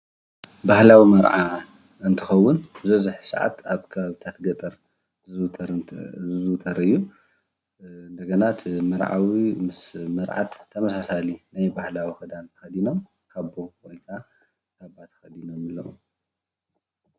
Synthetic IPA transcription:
bahlawimɐɾʕa | ɨnt̪ʰɨxɐwːʊnzɐzɨħsɐʕa̰t̪aβkʰɐβaβɨt̪ʰat̪ɡɐt̪ʼɐɾ | ɾɨzut̪ʰɐɾɨjːu | ɨnd̪ɐɡɐnat̪mɐɾʕa̰wimɨsmɨɾʕa̰t̪ʰːɐmɐsasalinajbahlawixɨd̪ant̪ʰɐxɐd̪inom | kʰaβbokojt̪ʰa | k̪aβat̪ʰɐ̥xɐd̪inomɨlːɐ̰ʔum

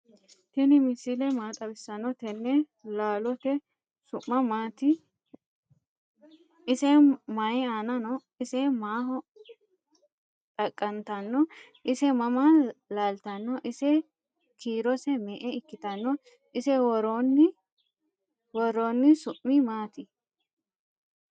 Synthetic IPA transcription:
t̪ɪnɪmɪsilɛmaːt̪ʼɐbɪsːɐnːɔt̪ɛnːɛ | laːlɔt̪ɛ | sʊʔːɐmaːt̪ɪ | ɪsɛmɐjɪaːnɐnɔ | ɪsɛmaːhɔ | t̪ʼɐkʼːɐnt̪ɐnːɔ | ʔɪsɛmɐmalaːlt̪ɐnːɔʔɪsɛ | kiːɾɔsɛmɛʔɛɪkːɪt̪ɐnːɔ | ɪsɛwɔɾonːɪ | wɔɾoːnːɪsʊʔːɪmaːt̪ɪ

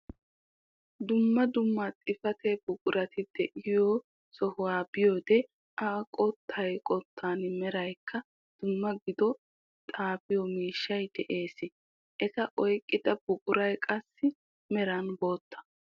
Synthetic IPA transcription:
d̪ʊmːɐd̪ʊmːat̪ʼɪfɐt̪ɛbʊkʼʊɾɐt̪ɪd̪̥ɛʔɪjoː | sɔhʊwaːbɪjoːd̪ɛ | aːkʼɔt̪ʰːɐjkʼɔt̪ʰːaːnmɛɾɐjkʰːɐ | d̪̥ʊmːɐɡɪd̪ɔ | t̪ʼaːfɪjɔmiːʃːɐjd̪̥ɛʔe̞ːsɪ | ʔɛt̪ɐʔɔjkʼːɪd̪ɐb̥ʊkʼʊɾɐjkʼɐsːɪ | mɛɾɐnbo̞ːt̪ːɐ̥

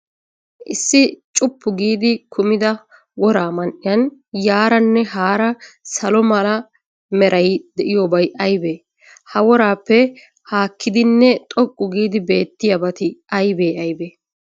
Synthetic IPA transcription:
ʔɪsːɪt͡ʃʼʊpːʊɡiːd̪ɪkʰʊmɪd̪ɐ | wɔɾaːmɐnʔɪjɐnjaːɾɐnːɛɦaːɾɐsɐlɔmɐlɐ | mɛɾʔɐjd̪ɛʔɪjoːbɐjʔɐjbe̞ː | hɐwɔɾaːpːɛ | haːkʰːɪd̪ɪnːɛt̪ʼɔkʼːʊɡiːd̪ɪbe̞ːt̪ːɪjɐbɐt̪ɪɐjbeːɐjbeː

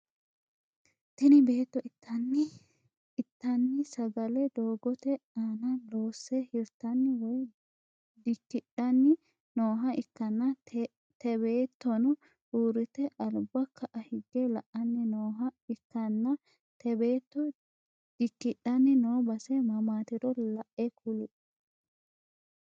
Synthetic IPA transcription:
t̪ɪnɪbe̞ːt̪ːɔʔɪt̪ʰːɐnːɪ | ɪt̪ːɐnːɪsɐɡɐlɛd̪o̞ːɡɔt̪ɛaːnɐloːsːɛhɪɾt̪ɐnːɪwɔj | d̪ɪkːɪᶑɐnːɪ | noːɦɐʔɪkːɐnːɐ | t̪ɛbeːt̪ːɔnʊ | huːɾɪt̪ɛʔɐlbɐkʰːɐʔɐhɪɡːɛlɐʔɐnːɪnoːɦɐɪkːɐnːɐ | t̪ɛbeːt̪ːɔ | d̪̥ɪkːɪᶑːɐnːɪnoːbɐsɛmɐmaːt̪ɪɾɔlɐʔːɛkʰulɪ

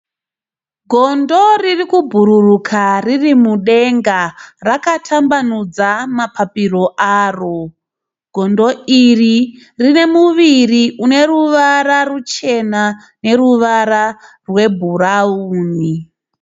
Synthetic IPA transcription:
ɡʱo̞ndo̞ririkubʱuɾurukʰaririmuɗe̞ŋɡarakatʰambanud͡zamapapiro̞ʔaːro̞ | ɡʱo̞ndo̞ʔiri | rine̞muʋiriune̞ruʋaɾarut͡ʃe̞na | ne̞ruʋaɾa | rwe̞bʱuɾauːni

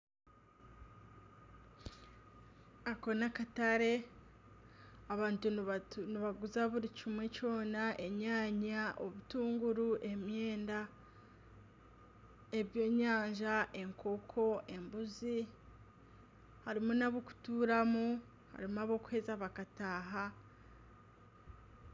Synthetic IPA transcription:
ako̞nakataɾe̞ | aβaːntuniβaɡuzaβuɾicimwe̞co̞ːnaʔe̞ɲaːɲaʔo̞βutuːŋɡuɾuʔe̞mje̞ːnda | e̞βjo̞ːɲaːɲʒaʔe̞ŋkʰo̞kʰo̞ʔe̞mbuzi | haɾimunaβoku̥tuːɾamu | ha̰ɾimaβo̞kwhe̞ːzaβakataːɦa

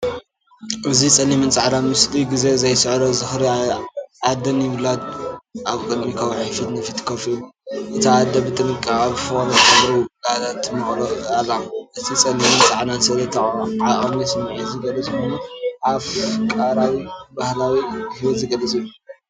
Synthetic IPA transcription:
ʔɨzit͡sʼɐlːimɨnt͡sʼaʕnamɨsliɡize̞zɐjsɨʕɾozɨxɾiʕad̪ɐnjɪβlat̪ʔaβkʼɨd̪mikʰɐwʕɨfit̪nɨfɨt̪ʰkʰɐfʔɨt̪ʰiad̪ɐbɨt̪ʼɨnɨkʼːaβfoɾtɐbɾiɡazat̪ʰɨnːɨxloalːaʔɨt̪ʰit͡sʼɐnːimɨnt͡sʼaʕnansɐlɐt̪ʰɐχʼʕaʔʼmisɨmʕizɨɡɐlɐt͡sʼxonaʔaβkʼaɾawibahlawihwɔzɨɡɐlɐt͡sʼilːu

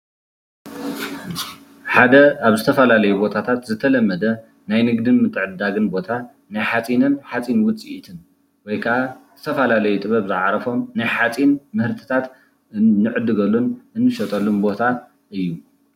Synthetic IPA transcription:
ħad̪ɐaβzɨt̪ʰɐfɐlalɐjubot̪ʰat̪ʰat̪zɨt̪ʰɐlɐmːɐd̪ɐ | najnɨɡd̪ɨnmɨt̪ʰʼɨʕɨd̪aɡɨnbo̞t̪ʰa | najħat͡sʼinɨnħat͡sʼinwʊt͡sʼit̪ʰɨn | wɔjkʰɐʔaz̥ɨt̪ʰɐfɐlalɐjut̪ʼɨβɐβzɨʕaɾɐfo̞mnajħat͡sʼinmɨhɨɾt̪ʰɨ̥t̪ʰat̪ | nːɨʕɨd̪ɨɡɐlːunʔɨnːɨʃɐt̪ʼɐlːunbo̞t̪ʰa | ʔɨjːu

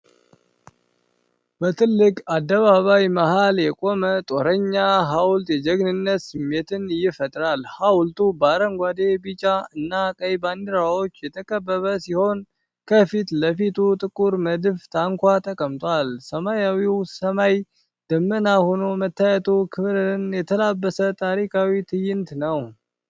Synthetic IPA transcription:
bət̪ʰɨlːɨkʼad̪ːəβaβajmahaljɛkʼo̞mət̪ʼo̞ɾəɲːaɦawlt̪jɛd͡ʒəɡnɨnːət̪sɨmːe̞t̪ʰɨnjɪfət̪ʼɾalhawlt̪ʼubaɾəŋɡʷad̪e̞bit͡ʃʼaɨnːakʼəjband̪ɨɾawo̞t͡ʃːjɛt̪ʰəkʼəbːəβəsiho̞n | kʰəfit̪ləfit̪ʰut̪ʼɨkʼuɾməd̪ɨft̪ʰaŋkʷʰat̪ʰʼəkʼəmt̪ʼwalsəmajawiwsəmaj | d̪̥əmːənaho̞no̞mət̪ʰːajɛt̪ʰokʰɨβɾɨɨnjɛt̪ʰəlabːəsət̪ʰʼaɾikʰawit̪ʰɨjɪnt̪nəw

